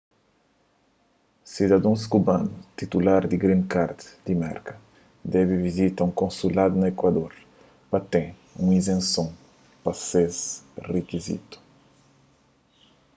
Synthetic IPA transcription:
sid̪ɐd̪õskubãnut̪it̪ulaɾd̪iɡɾĩnkaɾt̪d̪imɛ̰ɾkɐ | d̪ɛvivizit̪ɐũŋkõnsulad̪unɐekwɐd̪oɾ | pɐt̪ẽ | ṵ̃ĩzẽnsõ | pɐsezrekizḭt̪u̥

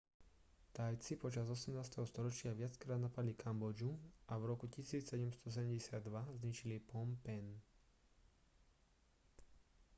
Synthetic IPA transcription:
t̪ajt͡sipɔt͡ʃazɔsɛmnaːst̪ɛɦɔst̪ɔɾɔt͡ʃɪaʋɪat͡skɾaːd̪napad̪likambɔd͡ʒuʔavɾɔkucisiːt͡ssɛɟɛmst̪ɔs̬ɛɟɛmɟɛsɪad̪ːʋazɲit͡ʃilipɔmpɛn

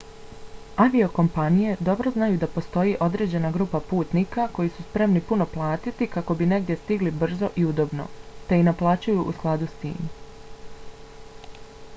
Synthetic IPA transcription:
aʋio̞ko̞mpanije̞d̪o̞bɾo̞znajud̪apo̞st̪o̞jiʔo̞d̪ɾe̞ːd͡ʑe̞naɡɾuːpapuːt̪niːkako̞jisuspɾe̞mnipuno̞plˠaːt̪it̪ikako̞bine̞ɡd̪je̞st̪iɡlibr̩zo̞ʔiud̪obno̞̰t̪e̞inaplˠaːt͡ɕujuʔusklˠad̪ust̪ḭːm

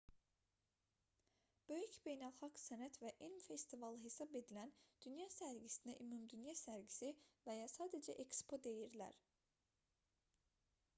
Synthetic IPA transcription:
b̥ø̞jycʰbe̞jnælʲˠxaksenæt̪vɛʔænmfest̪ʰivalˠɯɦesabe̞d̪ilʲænd̪̥ynjaːsæɾɟisinɛʔymumd̪ynjasæɾɟisivejaːsaːd̪ed͡ʒɛ̰ʔecspʰo̞d̪e̞jiɾlʲæ̰ɾ̥

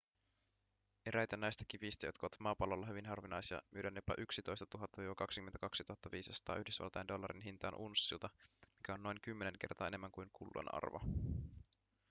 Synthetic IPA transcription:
eɾʔæjt̪ænːæjst̪æ̥kifist̪æjo̞t̪kɑoʋːɑt̪mɑːpɑlːolːɑɦyʋinɦɑrʋinɑjsiɑ̰mʔyøɾænːepɑ̰ʔyksit̪o̞jst̪ɑ̥t̪uɦɑt̪ːɑʋiːʋɑkɑksikyment̪æ̥kɑksit̪uhɑt̪ːɑʋiːsisɑ̥t̪ɑ̰ːyhdysʋɑ̰lt̪ɑjendo̞lːɑɾinɦint̪ɑːnʔunsːilt̪ɑmikæo̞nːo̞jŋkymːe̞ne̞ŋke̞rt̪ɑ̰ːe̞nemːæŋkujŋkulːo̰nɑ̰rʋo̰

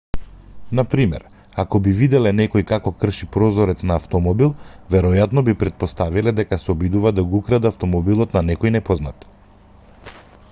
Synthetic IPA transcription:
napɾimɛ̰ɾ | akɔbivid̪ɛlɛnɛkɔjkakɔkr̩ʃipɾɔzɔɾɛt̪snaːft̪ɔmɔbilˠvɛɾɔjat̪nɔbipɾɛt̪̚pɔst̪avilɛd̪ɛkasɛɔbid̪uvad̪aɡukɾad̪aft̪ɔmɔbilˠɔt̪nanɛkɔjnɛpɔzna̰t̪

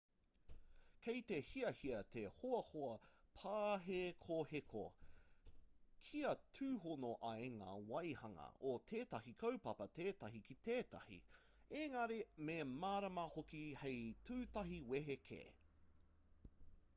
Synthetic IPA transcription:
kʰejt̪ehiɐhiɐt̪ʰehoɐhoɐpʰaːɦekʰohekʰo̰ | kʰiɐtʰʉːhonoʔɐeŋa̰ːwɐjhɐŋɐ̰ʔot̪ʰeːtɐhikʰɐwpɐpɐteːtɐɦikit̪eːtɐ̰hḭ | eŋɐɾememaːɾɐmɐhokihejtʰʉːtɐɦiweɦekʰḛ

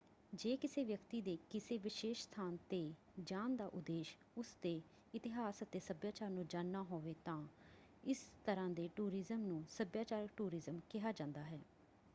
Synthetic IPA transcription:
d͡ʒeːkɪseːʋjəkt̪iːd̪eːkɪseːʋɪʃeːʃst̪ʰaːnt̪eː | d͡ʒaːnd̪aːʔʊd̪eːʃ | ʊsd̪eː | ɪt̪ɪɦaːsət̪eːsəbjaːt͡ʃaːɾnũːd͡ʒaːnːaːɦoːʋeːt̪ãː | ɪst̪əɾãːd̪eːʈuːɾɪzəmnũːsəbjaːt͡ʃaːɾək̚ʈuːɾɪzəmkɪɦaːd͡ʒãːnd̪aːɦɛː

